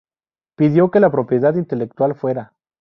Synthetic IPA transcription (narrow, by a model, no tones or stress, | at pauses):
piðjo̞ke̞lapɾo̞pje̞ðaðint̪e̞lek̚t̪walfwe̞ɾa